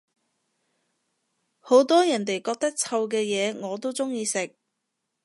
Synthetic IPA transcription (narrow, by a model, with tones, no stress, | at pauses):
ho˨˥wt̪ɔː˥jɐ˨˩nt̪e˨˩jkɔː˧k̚t̪ɐ˥k̚t͡sʰɐ˧wkɛː˧jɛː˨˧ŋɔː˨˧t̪̬o˥wt͡sʊ˥ŋjiː˧sɪ˨k̚